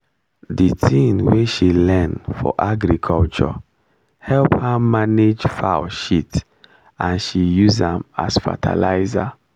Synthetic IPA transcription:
ditʰĩnweʃilɛ̃nfɔ̰ʔaɡɹikʰɔlt͡ʃɔ̰ | hɛlphamaned͡ʒfaʊʃit | ãnʃijuzãma̰sfa̰tʰa̰laɪza

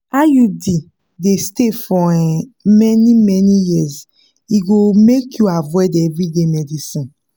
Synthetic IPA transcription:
ajudi | destefɔĩmɛnimɛnijiz | iɡomekʰjuavwɛdɛvɹidemɛdisĩn

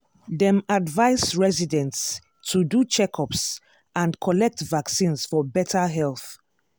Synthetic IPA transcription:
ðɛ̃madvaɪsɹɛzidɛ̃nts | tʰudut͡ʃɛkʰɔps | ãnkʰɔlɛk̚tvaksĩnsfɔbɛtʰəɦɛlˠθ

